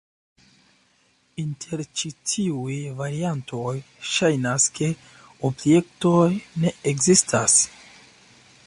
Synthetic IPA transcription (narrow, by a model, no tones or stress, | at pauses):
intʰe̞ɾt͡ʃitʰiujvaɾianto̞j | ʃajnaskʰe̞ | obje̞k̚to̞jne̞eɡzistʰas